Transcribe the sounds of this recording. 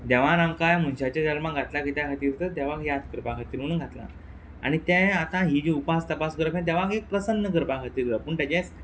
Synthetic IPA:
d̪ɛʋanamkajm̤unɕat͡ɕad͡ʑalmaɡʱat̪lakit̪jakʰat̪iːɾt̪əd̪ɛʋakjat̪kəɾpakʰat̪iːɾunũnɡʱat̪la̰ | a̰ɽ̃it̪ɛ̃at̪ãɦid͡ʑiupast̪əpasɡəɾəfɛ̃d̪ɛʋakek̚pɾəsənːəkəɾpakʰat̪iːɾt̪əpəːɳʈ̪ad͡ʑet͡s

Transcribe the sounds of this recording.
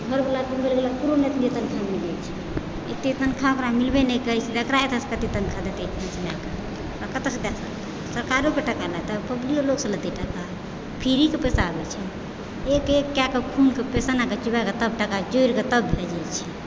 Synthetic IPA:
ɡʱəɾbəlakumbelɡelapuɾonet̪nd͡ʒet̪ənkʰamilɛt͡ʃʰɛ | et̪et̪ənkʰãkɾamilbenɛkəit͡ʃʰidəkɾaet̪ʰəskət̪it̪ənkʰad̪at̪et͡ʃʰnisilakə | akət̪esdasalt̪ | səɾkaɾokeʈəkalat̪əpəblioloɡsə̃lət̪eʈəka | pʰiɾikepesabɛt͡ʃʰɛ | ekekjakekʰunkepesanaket͡ʃibaket̪əb̚ʈəkad͡ʒoiɾket̪əbɛd͡ʒat͡ʃʰɛ

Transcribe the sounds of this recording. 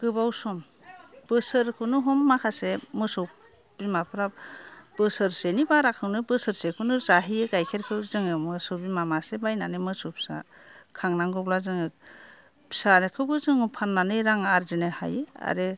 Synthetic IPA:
ɡ̥ɯbawsɔm | b̥ɯsɯɾkʰɯnɯɦɔmːakʰasemɯsɔ | b̥imapʰɾab̥ɯsɯɾsenibaɾakʰɯwnɯbɯsɯɾsekʰɯnɯzaɦijɯɡajkʰeɾkʰɯzɯŋɯmɯsɯbimamasebajnanɯmɯsɔpʰsa̰ | kʰaŋnaŋɡɔblazɯŋɯ | pʰi̥sanekʰɯbɯzɯŋɯpʰanːanɯjɾaŋaɾzenɯha̰jɯa̰ɾɯ

